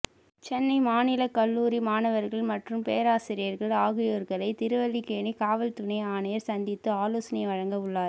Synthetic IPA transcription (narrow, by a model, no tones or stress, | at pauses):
t͡ʃɛnːɐɪmaːnɪlɐkɐlːuːɾimaːnɐʋɐɾɣɐɭmɐʈrɯmpeːɐɾaːsɪɾɪjɐɾɣɐɭaːɣɪjoːɾɣɐɭɐɪt̪ɪɾɯʋɐlːikːeːɳikaːʋɐlt̪ʊnɐɪaːnɐjɐɾsɐnd̪ɪt̪ːɯaːloːsɐnɐɪʋɐɻɐŋɡɐʊɭːaːɾ